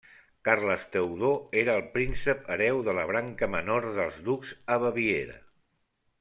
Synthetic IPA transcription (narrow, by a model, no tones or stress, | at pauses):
karləst̪əwðoeɾəːlˠpɾinsəpəɾɛwðələβ̞ɾaŋkəmənoɾðəlˠzðukz̥əβəβieɾə̰